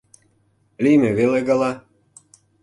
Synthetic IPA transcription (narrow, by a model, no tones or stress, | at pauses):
limeβeleɣɑlɑ